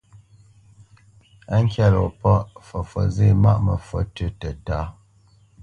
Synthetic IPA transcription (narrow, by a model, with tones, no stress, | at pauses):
a˦ŋ̩˦kja˦lɔ˨pɔ˦ʔfɔ˨fɔ̰˨ze˦˨ma̰˦ʔmə˨fwɔ˨tə˨tə˨ta˦